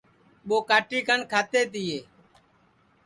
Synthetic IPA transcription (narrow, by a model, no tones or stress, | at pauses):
ɓoːkaːʈiːkʰənkʰaːt̪eːt̪ɪːeː